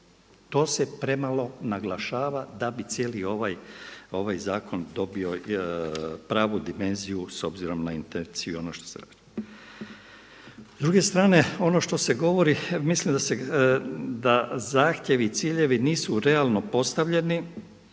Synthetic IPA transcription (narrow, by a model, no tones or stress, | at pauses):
t̪o̞ːse̞pɾe̞malo̞naɡlˠaʃaːʋad̪abit̪sjelio̞ʋajo̞ʋajzaːko̞nd̪o̞bio̞ | pɾaːʋud̪ime̞nzijuso̞bziɾo̞mnaint̪ent̪sijuo̞noʃt̪o̥sḛɾa̰di | zd̪ɾuɡe̞st̪ɾaːne̞o̞no̞ʃt̪o̞se̞ɡo̞ʋo̞ɾimislimd̪ase | d̪azaːxt̪je̞ʋiːt̪siːʎe̞ʋiniːsuɾe̞alˠno̞po̞st̪aʋʎe̞ni